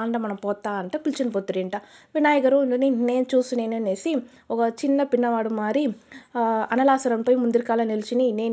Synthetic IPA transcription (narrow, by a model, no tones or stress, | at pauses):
aːɳɖɐmɐnɐmpoːt̪ːaːɐnʈɯpɪlt͡ʃɐnpoːt̪ːɯɾeːnʈaːʋɪnaːjɐɣɐɾũnd̪ɯnɯnːeːt͡ʃuːsɯneːnɯnesi | ɔŋɡɐt͡ʃɪnːɐpɪɳːɐʋaːɽɯmːaːɾi | ɐnɐlaːsɐɾɐnpoːjmʊnd̪ɪɾkaːlɐnɪlt͡ʃːininːeː